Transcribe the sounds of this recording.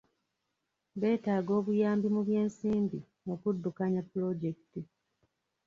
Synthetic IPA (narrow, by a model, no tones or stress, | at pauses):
βe̞ːtaːɡo̞ːβujaːmbimuβje̞ːnsiːmbi | okudːukaɲapːulo̞ɟe̞kiti